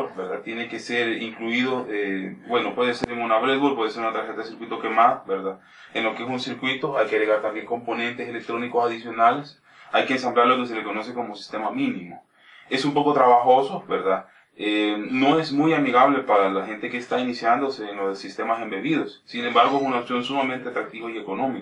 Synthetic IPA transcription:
beɾðat̪je̞neke̞se̞ɾiŋkluiðo̞ebwe̞no̞pwe̞ðeseɾeŋunaβɾezβolpwe̞ðese̞ɾunat̪ɾaɾxe̞t̪aðesiɾkwit̪oke̞maðabeɾða | enlo̞kees̬unsiɾkwit̪o̞ajkeaɣɾeɣaɾt̪ambje̞ŋko̞mpo̞nẽ̞nt̪e̞sele̞k̚t̪ɾo̞niko̞saðisjo̞nale̞s | ajkeːns̬amblaɾlo̞ke̞s̬e̞leko̞no̞se̞ko̞mosi̥st̪e̞mamĩnimo̰ | e̞sumpo̞ko̞t̪ɾaβaxo̞sobeɾða | eno̞e̞zmujamiɣaβ̞le̞paɾalaxe̞nt̪e̞keːst̪ainisjand̪oseːnlosist̪e̞mase̞mbe̞βiðosːine̞mbaɾɣo̞esunaopsjo̞nsumamẽ̞nt̪eat̪ɾak̚t̪iβaie̞ko̞no̞mik

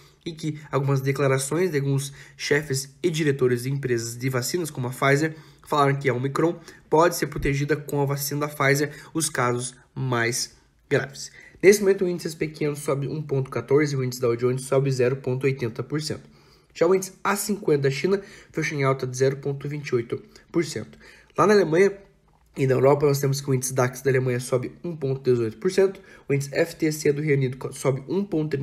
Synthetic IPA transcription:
ɪkɪawɡũmɐzd̪eklaɾasõj̃zd̪aɡũsʃɛfɪzɪd͡ʒiɾet̪oɾɪzd̪ɪẽpɾezɐzd̪ɪvasĩnɐskõmʊɐfajzeɾ | falaɾɐ̃kɪaomikɾõpɔd̪ɪseɾpɾot̪eʒid̪ɐkõɐvasĩnɐd̪ɐfajzeɾʊskazʊs | majs | ɡɾa̰vɪsnesɪmomẽnt̪ʊ̃ĩd̪ɪsɪspekʰẽnʊsɔbɪʔũpõnt̪ʊ̥kat̪oɾzɪʊwĩd̪ɪsɪd̪ɐod͡ʒõnd͡ʒ̪ɪsɔbɪzɛɾʊpõnt̪ʊojt̪ẽnt̪ɐpoɾsḛ̃nt̪ʊ̥ | ʒawĩnd͡ʒ̪ɪsasĩŋkwẽnɐd̪ɐʃĩnɐfeʃɐ̃ẽawt̪ɐd͡ʒɪzɛɾʊpõnt̪ʊvĩnt͡ʃɪojt̪ʊpoɾsḛ̃nt̪ʊ̥ | lanɐalemɐ̃ɲɐ | ɪnɐewɾɔpɐnɔs̬t̪ẽmʊs̬kɪʊĩnd͡ʒʲɪsɪd̪aksd̪ɐalemɐ̃ɲɐsɔbɪũpõnt̪ʊd̪ezojt̪ʊ̥poɾsẽnt̪ʊ̥ | ʊĩd̪d͡ʒɪsɪɛfɪ̥t̪eɛsed̪ʊɦeunid̪ʊksɔbɪʔũpõt̪ʊt̪ɾ

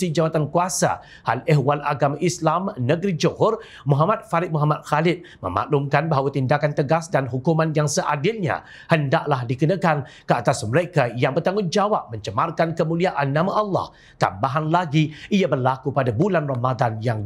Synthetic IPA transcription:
id͡ʒawat̪ankuasa̰ | ha̰lɛɦwalʔa̰ɡamaʔislamnəɡɾid͡ʒoɦʊr | muɦamat̪̚falɪt̚muɦamat̪̚xalɪt̪̚ | mə̰ma̰ʔlumkanbaɦawat̪indakant̪əɡasdanɦukumanjaŋsəʔadɪlɲa̰ | həndaʔlahdikənəkan | kəat̪asməɾekajaŋbərt̪aŋʊnd͡ʒawap̚mə̃ɲt͡ʃəmarkankəmũliaʔanːãmaʔɑlːɑ̰h | t̪a̰mbaɦanlaɡiʔiabərlakupadabulanramad̪anjaŋ

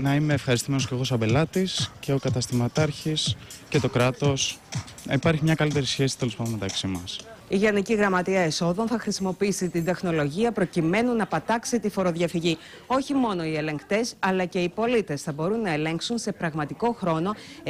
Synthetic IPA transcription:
nɐime̞ːfxɐɾist̪ime̞nosceɣos̬ɐbelɐt̪isce̞o̞kɐt̪ɐst̪imɐt̪ɐɾçisce̞t̪o̞kɾɐt̪o̞snɐipɐɾçimɲɐkɐlit̪e̞ɾisçe̞si̥t̪e̞le̞spɐd̪met̪ɐksimɐs | iʝɐniciɣɾɐmɐt̪iɐeso̞ðo̞nθɐxɾisimo̞piisit̪ind̪e̞xno̞lo̞ʝiɐpɾo̞cime̞nunɐpɐt̪ɐksit̪ifo̞ɾo̞ðʝɐfiʝi | o̞çimo̞no̞ie̞le̞ŋkt̪e̞sɐlɐce̞ipo̞lit̪e̞sθɐbo̞ɾunːɐele̞ŋksunse̞pɾɐɣmɐt̪iko̞xɾo̞no̞

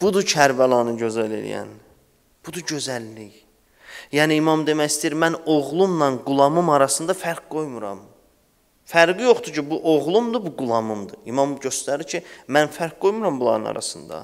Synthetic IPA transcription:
b̥ud̪ut͡ʃʰæɾbælˠɑnɯɟø̞zæle̞̰lḭjæ̰n | b̥ud̪uɟø̞zælːij | jæːniːmɑmd̪e̞mæjist̪ijiɾmænoɣlˠumnɑnɡulˠɑmɯmɑɾɑsɯnd̪ɑfæɾkɡo̞jmuɾɑ̰m | fæɾɡijo̞χt̪ucʰibuʔoʁlˠumd̪ubuɡulˠɑmumd̪ɯimɑmɟø̞st̪æɾiɾcʰimænfæɾk̚ɡo̞jmuɾɑmbulˠɑ̰ɾɯnɑ̰ɾɑ̰sɯnd̪ɑ̰

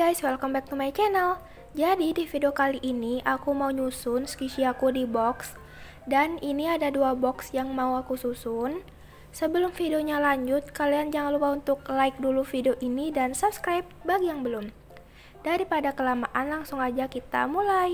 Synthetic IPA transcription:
ɡajswɛlkɔmbɛk̚t̪umait͡ʃɛnal | d͡ʒadidifideokaliʔːniʔakumauɲusʊnskiʃiakudibɔks | daniniadaduabɔksjaŋmauakususʊn | səbəlʊmfideoɲalaɲd͡ʒʊt̪̚kaliand͡ʒaŋanlupaunt̪ʊk̚laɪk̚dulufideoʔinidansup̚skɾajp̚baɡijaŋbəlʊm | d̥aɾipadakəlamaʔanlaŋsʊŋad͡ʒakit̪a̰mulaj

